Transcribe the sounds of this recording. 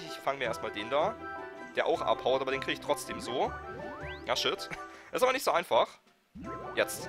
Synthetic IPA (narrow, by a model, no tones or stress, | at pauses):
çɪçfaŋmiːɐeːɐst̚maːldeːndaːd̥eːɐʔa̰ʊxʔa̰phaʊtaːbɐɾeːnkʁ̥iɡəɪçtʁ̥ɔt͡sd̥eːmzoː | jaːʃʏtʔɛɪstaːbɐnɪçtz̥oːʔaɪnfaχ | jɛt͡st